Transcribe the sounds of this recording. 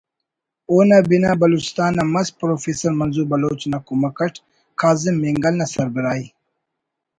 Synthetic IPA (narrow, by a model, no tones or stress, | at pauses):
oːnabinabɐloːt͡ʃɪ̥st̪aːnːamɐs̚pɾofeːsɐɾmɐnzuːɾbɐloːt͡ʃnakomakɐʈ | kʰaːzɪmːiŋɡɐlnasɐɾbiɾaːj